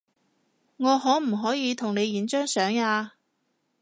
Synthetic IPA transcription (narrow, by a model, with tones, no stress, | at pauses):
ŋɔː˨˧ɦɔː˨˥m̩˨˩ɦɔː˨˥jiː˨˧t̪ʰʊ˨˩ŋne˨˧jiː˨˥nt͡ʃœː˥ŋsœː˨˥ŋaː˧